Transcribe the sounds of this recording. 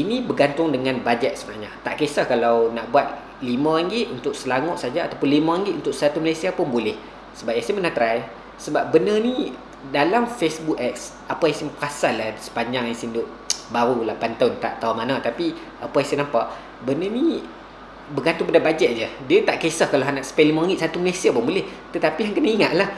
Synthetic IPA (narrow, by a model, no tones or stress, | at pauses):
inĩbəɡant̪ʊŋdəŋãnbad͡ʒɛt̪̚səbənaɲat̪a̰ʔkesahkalawnaʔbuat̪̚ | limãɾaŋɡɪt̪unt̪ʊk̚səlaŋʊʔ̪̚sad͡ʒaa̰t̪awpʊnlimaaŋɡɪt̪ʔunt̪ʊk̚səat̪umalasiapʊnbolɛh | səbap̚jasimpənaht̪ɾaj | səbap̚bənəni | dalamfesbukɛk̚s | apajasimpəasalːahsə̥paɲd͡ʒaŋaŋsindʊʔ | baɾulapant̪aʊnt̪a̰ʔt̪aunmanãt̪api | apajasinampaʔ | bənəni | bəɡant̪uŋpadabad͡ʒɛʔ̪̚d͡ʒədiət̪aʔkesahkalaɦanaʔsə̥pɛlimaaŋɡiʔsat̪uməlasiapʊnbolɛh | t̪ət̪apijaŋkənəiŋaʔlah